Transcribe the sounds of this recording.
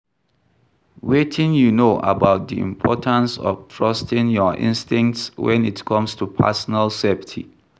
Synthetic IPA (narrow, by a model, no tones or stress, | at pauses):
wetʰɪ̃ŋjunoʔə̰baʊt̚d̪iḭ̃mpʰɔtʰə̃nsɔ̰ftʰɹastɪ̃ŋjɔʔɪ̰̃nstɪ̃ŋktswɛ̰̃nitkʰʌ̃mstʰupʰɛ̰sɔnəlseptʰḭ